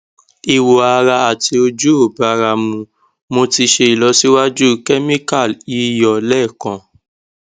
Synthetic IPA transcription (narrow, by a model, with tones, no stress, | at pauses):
i˨wo˨a˧ɾa˧a˨ti˧o˧d͡ʒu˦o˦˨ba˧ɾa˧mũ˧ | mo˧ti˧ʃe˧i˨lɔ˨˦si˦wa˦d͡ʒu˦kɛ˦mĩ˦ka˦˨li˨˦jɔ˨lɛ˦˨kã˨